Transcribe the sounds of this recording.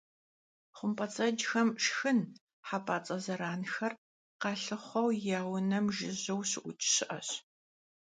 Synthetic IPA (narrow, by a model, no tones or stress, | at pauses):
χʷʊmpʼɐt͡sʼɐd͡ʒxɐmʈ͡ʂxɨn | ħapʰʼaːt͡sʼɐzɐɾaːnxɐr | qɑːɬɨχʷɔwjaːwnɐmʒɪʑɐwɕɪʔʷʊt͡ʃʰʼɕɪʔɐ̰ɕ